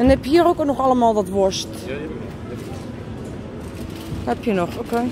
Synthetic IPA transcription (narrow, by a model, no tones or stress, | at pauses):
ənɛpjəhiːərokənɔxalˠəmaːlˠdɔtʋost | hɛpʰjənɔxoke